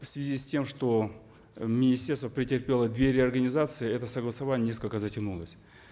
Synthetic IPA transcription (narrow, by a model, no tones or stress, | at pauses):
fsvʲɪzʲisʲtʲe̞mʂt̪o̞ | mʲɪnʲɪsʲtʲe̞rst̪vəpɾʲɪtʲɪrpʲe̞lˠəd̪vʲeɾʲɪɐrɡənʲɪzat̪sɨɪɛt̪əsəɡlˠəsɐvanʲnʲes̬kəlʲkəzətʲɪnulˠəsʲ